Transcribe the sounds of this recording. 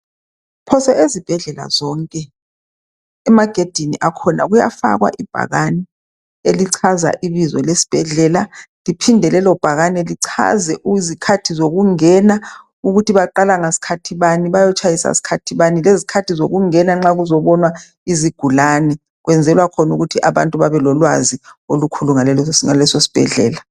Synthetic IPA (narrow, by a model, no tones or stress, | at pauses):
pʰɔsɛezib̥ʱɛɮɛla̰zɔŋkʼɛ | ɛmaɡ̥ʱed̥ʱiniʔakʰɔna̰ɣuja̰fa̰ɣwa̰ʔib̥ʱa̰ɣanɛ | eliǀʰaza̰ʔiβizɔ̰lesi̥b̥ʱɛɮɛːlalipʰindʱɛlɛlɔb̥ʱaɣanɛliǀʰa̰zɛʔuizikʰatʰizoɣuŋɛna | uɣutʰiβaǃalaŋasi̥kʰatʰiβaniβajɔt͡ʃʰʼajisa̰si̥kʰatʰiβanilezikʰatʰizoɣuŋɛnaŋ͡ǁaɣuzɔβɔnwa | iziɡ̥ʱulanɛ | ɣwɛnd͡zʱɛlwakʰɔnuɣutʰiʔaβa̰ntʼuβaβɛlɔlwa̰ziolukʰuluŋalɛlɔsŋalɛsosi̥b̥ʱɛ̰ɮɛ̰ːla